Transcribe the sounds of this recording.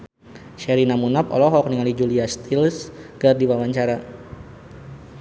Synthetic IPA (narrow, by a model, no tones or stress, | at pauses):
ʃɛɾinamunapɔ̰lɔɦɔk̚niŋalid͡ʒuliast̪ʰilsɡ̥ardiwawaɲt͡ʃaɾa